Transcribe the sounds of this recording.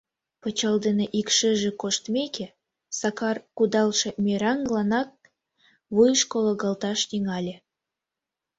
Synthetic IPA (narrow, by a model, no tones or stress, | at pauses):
pət͡ɕɑld̪eneʔikʃeʒĕkoʃt̪mʲekʲe | sɑkɑrkud̪ɑlˠʃĕmʲeɾɑŋɡlˠɑnɑk̚ | βujʃkoloɡɑlt̪ɑʃniŋɑlʲe